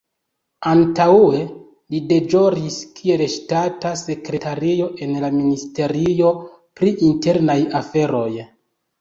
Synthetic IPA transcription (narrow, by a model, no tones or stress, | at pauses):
antawe̞ | lide̞d͡ʒo̞ɾiskʰie̞lʃtatase̞kɾe̞taɾio̞ʔe̞nlaministe̞ɾio̞ | pɾiʔinte̞ɾnajafe̞ɾo̞j